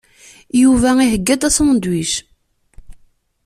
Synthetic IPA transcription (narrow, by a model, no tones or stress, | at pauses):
juvæiɦəɡːæd̪æsmnd̪wiʃ